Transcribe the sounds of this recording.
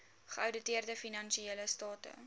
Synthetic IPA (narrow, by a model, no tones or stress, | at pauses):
χəəwdətiərdəfinɐnʃieləstɑːtə̰